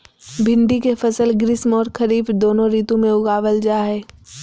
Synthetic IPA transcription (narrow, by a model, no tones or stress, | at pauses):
bʱɪ̃ɳɖikefɐsəlɡɾɪsmɔːɾkʰɐɾiːfd̪oːnõɾiːt̪õmẽʊɡaːʋəld͡ʒaːɦɛː